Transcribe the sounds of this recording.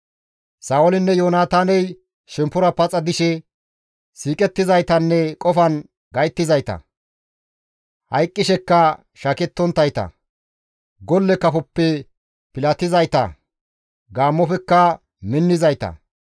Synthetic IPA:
saːwɔlɪnːɛjoːnaːt̪aːnɛj | ʃɛmpːʊɾɐpɐt͡sʼɐd̪ɪʃɛ | siːkʼɛt̪ːɪzɐjt̪ɐnːɛkʼɔfɐn | ɡɐjt̪ːɪzɐjt̪ɐ̰ | hɐjkʼːɪʃɛkːɐ | ʃɐkɛt̪ːɔnt̪ːɐjt̪ɐ̰ | ɡɔlːɛkɐfɔpːɛ | pɪlɐt̪ɪzɐjt̪ɐ̰ | ɡaːmːɔfɛkːɐ | mɪnːɪzɐjt̪ɐ̰

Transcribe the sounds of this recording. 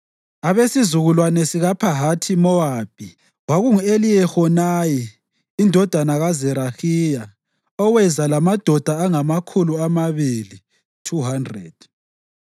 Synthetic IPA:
aβesizuɣulwanɛsiɣapʰaɦatʰimɔab̥ʱi | waɣuŋuelijɛxɔnaji | indʱɔd̥ʱanaɣazɛɾaxija | ɔwɛzalamad̥ʱɔd̥ʱaːŋamakʰuluamaβili | tʰuɦandrɛ̰d̥̚

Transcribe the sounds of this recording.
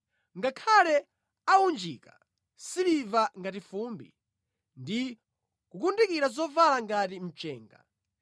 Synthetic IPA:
ŋɡakʰalɛ | aund͡ʒika | silivaŋɡatifuːmbḭ | ndi | kukundikiɾazɔvalaŋɡatim̩t͡ʃɛːŋɡa̰

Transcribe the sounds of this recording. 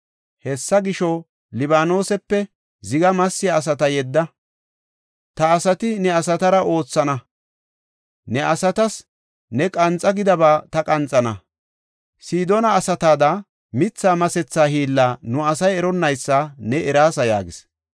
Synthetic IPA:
hɛsːɐɡɪʃɔ | lɪβaːno̞ːsɛpːɛ | zɪɡɐmɐsːɪjɐːs̬ɐt̪ɐjɛd̪ːɐ | t̪ɐːsɐt̪ɪnɛɐsɐt̪ɐɾɐʔo̞ːt͡sːɐnɐ | nɛʔɐsɐt̪ɐs | nɛkʼɐnt͡sʼːɐɡɪd̪ɐbaːt̪ɐkʼɐnt͡sʼɐnɐ | siːd̪onɐːsɐt̪aːd̪ɐ | mɪt͡sːaːmɐsɛt͡sːaːhiːlːaːnʊɐsɐjɛɾɔnːɐjsːɐnɛɛɾaːsɐja̰ːɡɪs

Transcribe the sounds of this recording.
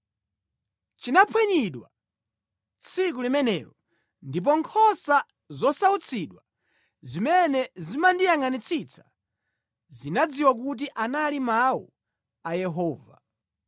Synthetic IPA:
t͡ʃinapʰwɛɲiɗwa̰ | t͡sʰik̬ulimɛnɛ̰ːɾɔ | ndip̬ɔŋkʰɔsa | zɔsaut͡sʰiɗwa | zimɛnɛzimandijaŋanit͡sʰit͡sʰḁ | zinad͡ziwak̬ut̬iʔanalimawṵ | ajɛɦɔːva̰

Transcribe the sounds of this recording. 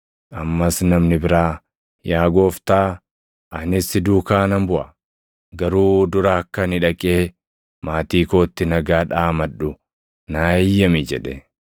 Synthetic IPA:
ʔɐmːɐsnɐmnɪbɪɾaː | jaːɡo̞ːft̪aː | ʔɐnɪsɪd̪uːkaːnɐmbʊʔɐ | ɡɐɾuːd̪ʊɾɐɐkːɐnɪᶑɐkʼeː | maːt̪iːkoːt̪ːɪnɐɡaːᶑaːmɐᶑʊ | naːjːɐmɪd͡ʒɛᶑɛ

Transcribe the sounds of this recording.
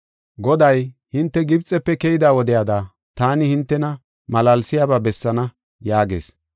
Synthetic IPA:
ɡɔd̪ɐjhɪnt̪ːɛɡɪbt͡sʼɛpːɛkɛjɪd̪aːwɔd̪ɪjaːd̪a | t̪aːnɪhɪnt̪ːɛnɐ | mɐlɐlsɪjaːbabɛsːɐnɐ | jaːɡe̞̰ːs

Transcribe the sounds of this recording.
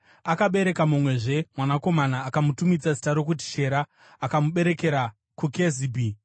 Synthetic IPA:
akaɓe̞ɾe̞kamumwe̞ʐe̞mwanako̞manaːkamutumid͡zazi̥taɾo̞kut̬i̥ʃe̞ɾaː | kamuɓe̞ɾeke̞ɾa | kuke̞zibʱi

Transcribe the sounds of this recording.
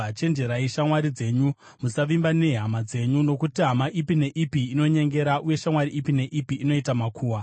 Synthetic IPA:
at͡ʃe̞nd͡ʒe̞ɾaiʃamwaɾid͡ze̞ːɲu | musaʋimbane̞ɦamad͡ze̞ɲuno̞kutiɦamaʔipine̞ʔipiːno̞ɲe̞ŋɡe̞ɾaʔuje̞ʃamwaɾiʔipine̞ʔipiʔːno̞itamakʰuːwa

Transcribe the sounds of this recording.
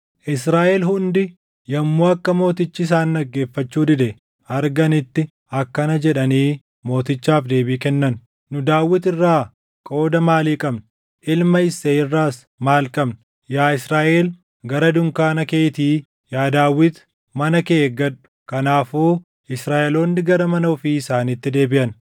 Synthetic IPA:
ʔɪsɾaːʔɛlhʊnd̪ɪ | jɐmːuːɐkːɐmo̞ːt̪ɪt͡ʃːɪɪs̬aːnːɐɡːe̞ːfːɐt͡ʃːuːd̪ɪd̪ɛ | ɐɾɡɐnɪt̪ːɪ | ɐkːɐnɐd͡ʒɛᶑɐniː | mo̞ːt̪ɪt͡ʃːaːfd̪eːbiːkɛnːɐn | nʊd̪aːwːɪt̪ɪrːaː | kʼo̞ːd̪ɐmaːliːkʼɐbnʊ | ʔɪlmɐɪseːɪrːaːs | maːlkʼɐbnʊ | jaːɪsɾaːʔeːl | ɡɐɾɐd̪ʊŋkaːnɐkeːt̪iː | jaːd̪aːwːɪt̪ | mɐnɐkeːɡɐᶑʊ̥kɐnaːfuː | ɪsɾaːʔɛlo̞ːnːɪɡɐɾɐmɐnɐɔfiːɪsaːnit̪ːɪd̪e̞ːbɪʔɐn

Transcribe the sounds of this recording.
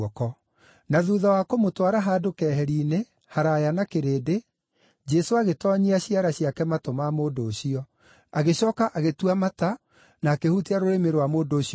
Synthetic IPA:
ɔkɔ | naðuːðawakomotwaɾaɦaːdokɛːɦɛɾiːne | haɾajanakeɾeːde | d͡ʒɛsoaɣetɔɲiaɕiaɾaɕiakɛmatomamoːdoːɕiɔ | aɣeɕɔːkaʔaɣetuamata | naːkehutiaɾoɾemeɾwamoːdoːɕi

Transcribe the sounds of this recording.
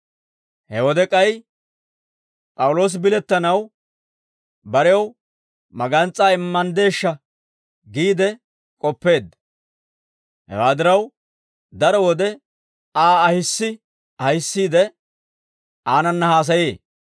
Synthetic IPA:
hɛwɔd̪ɛkʼɐj | pʼɐwʊlo̞ːs̬ɪbɪlɛt̪ːɐnɐw | bɐɾɛɐw | mɐɡɐnt͡sʼːaːɪmːɐnd̪e̞ːʃːɐ | ɡiːd̪ɛ | kʼɔpːe̞ːd̪ | hɛ̰waːd̪ɪɾɐw | d̪ɐɾɔwɔd̪ɛ | aːɐhɪsːɪ | ɐhɪsːiːd̪ɛ | aːnɐnːɐhaːs̬ɐjeː

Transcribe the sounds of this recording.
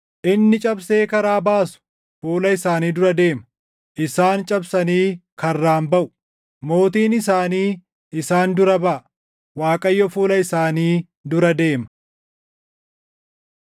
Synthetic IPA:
ʔɪnːɪt͡ʃʼɐbse̞ːkɐɾaːbaːsʊ̥ | fuːlɐɪsaːniːd̪ʊɾɐd̪e̞ːmɐ̥ | ʔɪsaːnt͡ʃʼɐbsɐniːkʰɐrːaːmbɐʔʊ̥ | mo̞ːt̪iːnɪsaːniː | ɪsaːnd̪ʊɾɐbɐʔɐ | waːkʼɐjːɔfuːlɐɪsaːniː | d̪ʊɾɐd̪e̞ːmɐ̥

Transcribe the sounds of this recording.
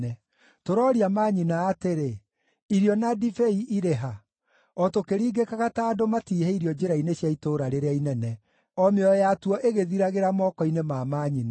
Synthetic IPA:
ɛ | toɾɔːɾiamaːɲinaːteɾe | iɾjɔnadifeiʔiɾeɦa | ɔtokeɾiːɡekaɣataːdomatiːhɛiɾijɔd͡ʒeɾaineɕjaitoːɾaɾeɾeainɛnɛ | ɔmeɔjatuɔʔeɣeðiɾaɣeɾamɔːkɔinemaːmaɲina

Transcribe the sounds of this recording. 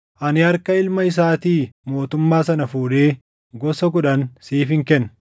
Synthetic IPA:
ʔɐnɪɐɾkɐɪlmɐɪs̬aːt̪iːmo̞ːt̪ʊmːaːsɐnɐfuːᶑeː | ɡɔsɐk̬ʊᶑɐnsiːfɪŋkɛnː

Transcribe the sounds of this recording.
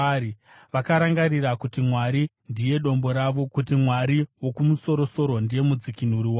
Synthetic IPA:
i | ʋakaɾaŋɡaɾiɾakutimwaɾi | ndije̞ɗo̞mbo̞ɾaʋo̞kutimwaɾiwo̞kumuso̞ɾo̞so̞ɾo̞ndije̞mud͡zikin̤uɾiwa

